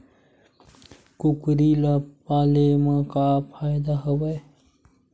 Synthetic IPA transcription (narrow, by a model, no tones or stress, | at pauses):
kʊkɾilapaːlemãkapʰaːjd̪aɦəwe